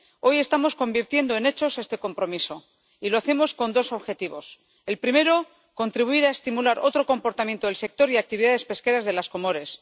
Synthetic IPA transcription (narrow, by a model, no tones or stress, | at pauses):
o̞je̞st̪amo̞sko̞mbiɾt̪je̞nd̪o̞e̞ne̞t͡ʃo̞sest̪e̞ko̞mpɾo̞miso̞ | iloaθe̞mo̞sko̞nd̪o̞so̞βxe̞t̪iβo̞s | e̞lpɾime̞ɾo̞ | ko̞nt̪ɾiβuiɾae̞st̪imulaɾo̞t̪ɾo̞ko̞mpo̞ɾt̪amjent̪oelse̞k̚t̪o̞ɾiak̚t̪iβiðaðe̞spe̞ske̞ɾazðe̞lasko̞mo̞ɾe̞s